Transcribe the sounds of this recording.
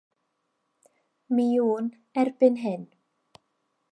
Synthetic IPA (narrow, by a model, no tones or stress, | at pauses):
miuːn | ɛrb̥ɪnɦɪn